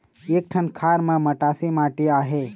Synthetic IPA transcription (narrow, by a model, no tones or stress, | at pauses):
ek̚ʈʰənkʰaːɾmɐ̃mɐʈaːsimaːʈiaːɦe